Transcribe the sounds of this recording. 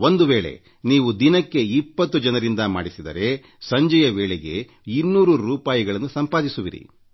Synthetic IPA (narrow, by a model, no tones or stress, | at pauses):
o̞nd̪uʋeːɭe̞̰ | niːʋud̪inɐkːe̞ipːɐt̪ːud͡ʒɐnɐɾind̪ɐma̰ːɽisid̪ɐ̰ɾe̞ | sɐɲd͡ʒɐjɐʋeːɭeɡe̞ | inːuːɾuɾuːpaːjiɡɐɭɐnːusɐmpaːd̪isuʋḭɾḭ